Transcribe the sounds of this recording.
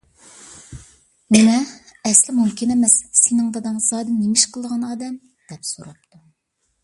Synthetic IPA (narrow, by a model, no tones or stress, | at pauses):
mɪnɛɛslɪmumkʲʰɪnɛmɛssenɨŋd̪ɑd̪ɑɴzɑːd̪ɨnnemɪʃqʰəlˠʁɑnɑːd̪ɛm | d̪̥ɛpsoɾɑp̚t̪ʰu